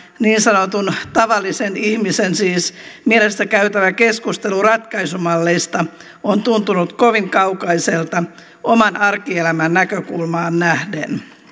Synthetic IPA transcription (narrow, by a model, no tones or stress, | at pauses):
niːnsɑnot̪unt̪ɑʋɑlːisenihmisensiːsmielest̪ækæyt̪æʋækeskust̪elurɑt̪kɑisumɑlːest̪ɑ | ont̪unt̪unut̪koʋiŋkɑukɑiselt̪ɑ | omɑnɑrkielæmænnækøkulmɑːnnæhdḛn